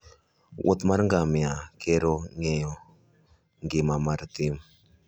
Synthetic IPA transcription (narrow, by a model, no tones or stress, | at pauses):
wʔo̰t̪maɾŋɡamjakʰeɾoŋɛjɔ | ŋɡɪmamaɾt̪ɪm